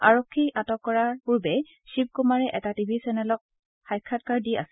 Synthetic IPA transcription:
a̰ɹokʰːiʔatɔkːɔɹaɹpuɹbɛ | ʃip̚kumaɹɛʔɛtatibʱisɛnɛlɔk̚ | xajkʰːatkaɹdiʔa̰sɛ

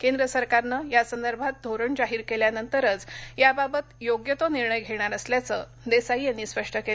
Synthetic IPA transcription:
kend̪ɾəsəɾkaɾnəjasənd̪əɾbʱat̪̚d̪ʱoɾəɳd͡ʑaɦiːɾkeljanənt̪əɾət͡sjababət̪joɡjət̪oniɾɳəjɡʱeɽɳ̃aɾəsljat͡sə | d̪esaɦiːjanːiːspəʂʈəkel

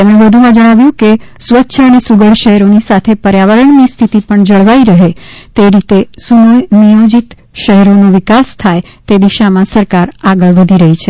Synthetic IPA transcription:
t̪emɽ̃ebəd̪ʱumãd͡ʒəɽ̃aʋjũkesʋətːʃʰəənesuɡəɽʃəɦɛɾonisat̪ʰepəɾjaʋəɾəɳnist̪ʰit̪ipəɳd͡ʒəɭʋaiɾəɦet̪eɾit̪esunəjnijod͡ʒit̪ | ʃəɦɛɾonoʋikast̪ʰajt̪ed̪iʃamãsəɾkaɾaɡəɭʋəd̪ʱiɾəɦit͡ʃʰe

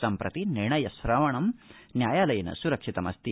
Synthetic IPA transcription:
sɐmpɾɐ̰t̪ineːɳɐjɐsɾaːʋɐɳɐm | njaːjaːlɐjɐnɐ̰suɾɐkʂit̪ɐmɐ̰st̪i

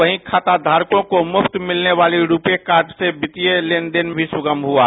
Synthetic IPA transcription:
əɦĩkʰaːt̪ad̪ʱaːɾkõkomʊpʰt̪mɪlneʋaːliɾuːpekaːɾʈsebɪt̪ijeleːnd̪enbʱisʊɡəmbɦua

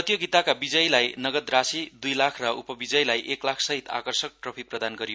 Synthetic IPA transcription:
ʌt̪joɡit̪akabid͡zʌjlajnʌɡʌd̪ɾasid̪ujlakʰrʌʔupʌbid͡zʌjlajʔeklakʰsʌɦit̪a̰kʌrsʌk̚prʌpʰiprʌd̪anɡʌɾijo

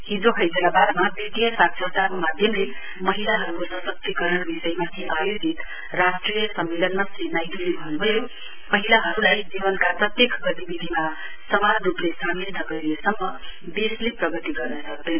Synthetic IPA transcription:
ɦid͡zoɦʌjdelabad̪mabit̪ijʌsat̪sʰʌt̪akomad̪ʱjʌmle | mʌɦilaɦʌɾukosʌsʌk̚t̪ikʌɾʌɳbisʌjmasʰiʔajod͡zit̪ | rasʈrijʌsʌmːelʌnmasenajd̪ulibʱʌnbʱʌjo | mʌɦilaɦʌɾulajd͡zibʌnkaprʌt̪jekɡʌt̪ibid̪ʱima | sʌmanruplesamind̪ʱʌɡʌɾiesʌmːʌ | b̪esleprʌɡʌt̪iɡʌrnʌsʌk̚d̪ʌn

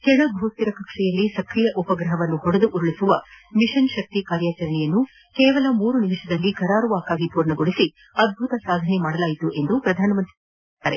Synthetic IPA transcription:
kɛɳɐbʱoːt̪ːiɾɐkɐkʂɛjɐlːisɐkɾijɐʔupɐɡɾɐɦɐʋɐnːuɦɔɽɐd̪uʔuɾuɭisuʋɐmiʂɐnʃɐk̚t̪ikaːɾjaːt͡ʃɐɾɐɳɛjɐnːu | keːʋɐlɐmuːɾunimiʂɐd̪ɐlːikɐɾaːɾuʋaːkaːɡipuːɾɳɐɡoɽisi | ɐd̪̚bʱut̪ɐsaːd̪ʱɐnemaːɽɐlaːjit̪uʔe̞nd̪upɾɐd̪ʱaːnɐmɐnt̪ | aːɾe

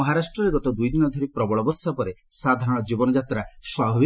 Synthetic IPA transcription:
ɔɦaɾasʈɾɔɾeɡɔt̪ɔd̪ujd̪inɔd̪ʱɔɾipɾɔbɔɭɔbɔɾsapɔɾesad̪ʱaɾɔɽ̃ɔd͡ʒibɔnɔd͡ʒat̪ɾaswabʱabi

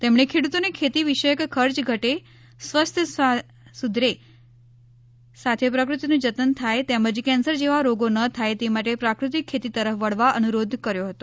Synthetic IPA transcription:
t̪emɳ̃ekʰeɽut̪onekʰet̪iʋiʃəjəkkʰəɾt͡ʃɡʱəʈe | sʋəst̪ʰjəa | sud̪ʱɾe | sat̪ʰepɾəkɾut̪inũd͡ʒət̪ənt̪ʰajt̪eməd͡ʒkɛnsəɾd͡ʒeʋaɾoɡonət̪ʰajt̪emaʈepɾakɾut̪ikʰːet̪it̪əɾəfʋəɽ̤ʋaʔənuɾod̪ʱkəɾjoɦət̪o

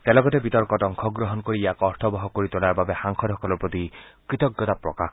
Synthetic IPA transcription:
t̪ɛlɔɡɔt̪ebit̪ɔɾkɔtɔŋkʰɔɡɾɔɦɔnkoɹijakɔɾt̪ʰɔbɔɦɔkoɾit̪ɔlaɾbabexaŋkʰɔd̪ʱɔkʰɔlɔɾpɾɔt̪ikɾit̪ɔɡːɔt̪apɾɔ̰ka

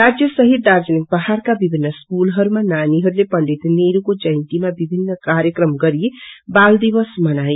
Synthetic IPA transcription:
ɾad͡ʒjəsəɦit̪̚d̪aɾd͡ʒənik̚bəɦaɾkabibʱinːəskulɦʌɾumãnaniɦəɾulepəɳɖit̪neɾukod͡ʒəjnt̪imabibʱinːəkaɾjəkɾəmɡəɾijebald̪ibəsmənaj

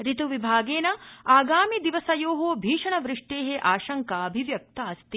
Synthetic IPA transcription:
ɾit̪uʋibʱaːɡeːnɐaːɡaːmid̪iʋɐsɐjoːɦobʱiːʂɐɳɐʋɾɪʂʈeːɦeʔaːʃɐŋkaɐbʱiʋjɐk̚t̪aːst̪i

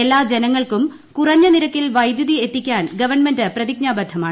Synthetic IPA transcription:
e̞lːaːd͡ʑe̞nɐŋːɐɭkum | kurɐɲːɐniɾɐkːilʋɐjd̪juðie̞t̪ːikʲːaːnɡɐʋɐrɳmendɨprɐðiɡ̚ɲaːbɐd̪ʱːɐmaːɳ

